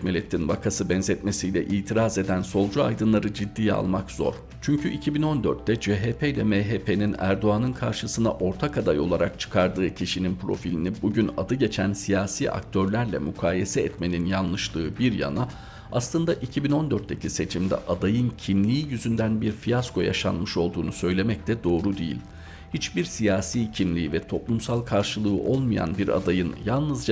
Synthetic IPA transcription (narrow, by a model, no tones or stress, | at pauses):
milʲɛt̪ʰːinvakʰasɯbɛnzɛt̪me̞sijlʲɛʔiːt̪ʰiɾaze̞d̪ænso̞lˠd͡ʒua̰jd̪ɯnlˠaɾɯd͡ʒid̪ːiːa̰lˠmakz̥o̞̰ɾ | t͡ʃʰyɲcʰyʔicʰibino̞nd̪øɾt̪ːɛd͡ʒeɦeːpʰejlʲɛmeɦeːpʰe̞ninæ̰ɾd̪o̞anɯnkʰaɾʃɯsɯna̰ʔo̞ɾt̪ʰakʰad̪ajo̞lˠaɾak̚t͡ʃʰɯ̥kʰaɾd̪ɯːcʰiʃininpʰɾo̞̰filʲinibuɟynad̪ɯɟe̞t͡ʃʰænsijaːsiːʔa̰k̚t̪ʰøɾlʲæɾlʲɛ̰mykʰaːjesɛɛt̪me̞ninjanlˠɯʃt̪ˠɯːbiɾja̰na | aslˠɯnd̪aʔicʰibino̞nd̪øɾt̪ːecʰise̞t͡ʃʰimd̪ɛ̰ʔad̪ajɯncʰimlʲiːjyzynd̪ænbiɾfijaskʰo̞ja̰ʃa̰nmɯʃo̞lˠd̪uːnusø̞jlʲe̞mɛc̚t̪ʰɛd̪o̞ːɾud̪ejḭlʲ | hit͡ʃbiɾsijaːsiːcʰimlʲiːivɛt̪ʰo̞plˠumsalˠkʰaɾʃɯlˠɯɯʔo̞lˠmuja̰nbiɾa̰d̪ajɯnjalˠnɯzd͡ʒa